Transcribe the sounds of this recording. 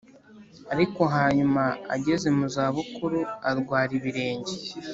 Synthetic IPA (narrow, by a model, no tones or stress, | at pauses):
aɾiko̞ɦaːɲumaa̰ɟe̞ze̞muzaːβukuɾuaɾɡwaːɾiβiɾe̞ːɲɟe